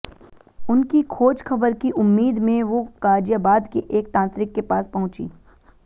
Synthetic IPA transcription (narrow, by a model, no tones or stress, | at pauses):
ʊnkikʰoːd͡ʒxɐbəɾkiʔʊmːiːd̪mẽʋokaːd͡ʒjabaːd̪keʔeːk̚t̪ãːnt̪ɾɪkːepaːspɐɦʊ̃t͡ʃḭː